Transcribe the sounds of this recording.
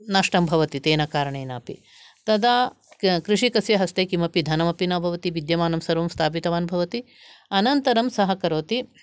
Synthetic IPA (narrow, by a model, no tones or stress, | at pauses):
naʂʈɐmbʱɐʋɐt̪it̪eːnɐkaːɾɐɳeːnaːpḭ | t̪ɐd̪aː | kɾiʂikɐsjɐɦɐst̪eːkimɐpid̪ʱɐnɐmɐpinɐbʱɐʋɐt̪iʋid̪jɐmaːnɐmsɐɾʋɐmst̪ʰaːp̬it̪ɐʋaːnubʱɐʋɐt̪i | ɐnɐnt̪ɐɾɐmsɐɦɐkɐɾoːt̪i